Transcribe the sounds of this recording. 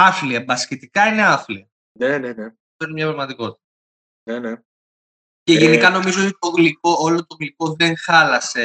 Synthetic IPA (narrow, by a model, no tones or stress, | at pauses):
ɐfliɐbɐscet̪ikɐine̞ɐfliɐ | neneneɐft̪oinemɲɐpɾɐɣmɐt̪iko̞t̪i̥t̪ɐ | nene | ceʝenikɐno̞mizoot̪it̪oɣliko̞olot̪oɣliko̞ðe̞ŋxɐlɐse̞